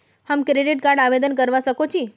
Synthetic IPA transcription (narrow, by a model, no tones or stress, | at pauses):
hamkɾeɖiʈkaɾɖaʋed̪ənkəɾʋaʃəkot͡ʃʰi